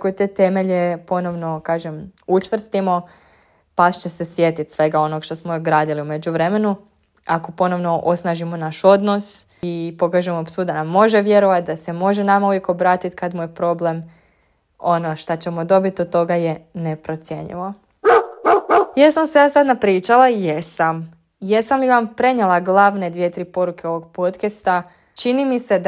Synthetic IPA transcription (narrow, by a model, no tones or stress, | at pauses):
kojet̪et̪e̞me̞ʎepo̞no̞ʋno̞kaːʒemut͡ʃʋr̩st̪imo̞ | past͡ɕese̞sjet̪it̪sʋe̞ɡao̞noɡʃt̪o̞smoɡɾaːd̪iliume̞d͡ʑuʋɾe̞me̞nu | ako̞po̞no̞ʋno̞ʔo̞snaʒimo̞naʃo̞d̪nos | ipo̞kaʒemopsud̪anamːo̞ʒeʋje̞ɾoʋat̪̚d̪ase̞mo̞ʒenamauʋjeko̞bɾaːt̪it̪kad̪muje̞pɾo̞ble̞m | o̞noʃt̪at͡ɕe̞mo̞d̪o̞bit̪ot̪ːo̞ɡajenepɾo̞t̪sje̞̰ɲḭʋo̞ | jesamsejaːsad̪napɾiːt͡ʃalajesam | jesamliʋampɾe̞ɲelˠaɡlˠaʋne̞d̪ʋijet̪ɾiːpo̞ɾukʰe̞o̞ʋo̞ɡpo̞t̪kest̪a | t͡ʃinimise̞d̪